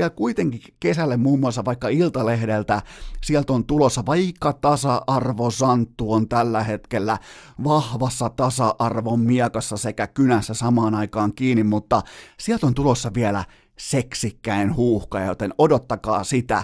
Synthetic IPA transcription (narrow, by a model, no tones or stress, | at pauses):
iælkuit̪eŋkikesælːemmuːmːuɑlsːɑʋɑikːɑilt̪ɑlehdelt̪æsiælt̪ont̪ulosːɑʋɑikːɑt̪ɑsɑʔɑrʋosɑnt̪ːuont̪ælːæhet̪kelːæ | ʋɑhʋɑsːɑt̪ɑsɑʔɑrʋommiɛkɑsːɑsekækynæsːæsɑmɑːnɑikɑːŋkiːnimmut̪ːɑsiælt̪ont̪ulosːɑʋielæ̰ | seksikːæinhuːhkɑjɑjot̪enodot̪ːɑkɑ̰ːsit̪æ̰